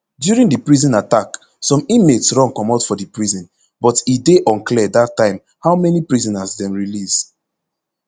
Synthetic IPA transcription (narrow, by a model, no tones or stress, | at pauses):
djuɹĩŋdipɹizɔ̃natak | sɔ̃mĩmetsɹɔ̃ŋkɔ̃matfɔdipɹizɔ̃n | bɔtideʔɔ̃nklɛdatːãɪ̃m | hawmɛnipɹizɔ̃nasdɛ̃mɹilis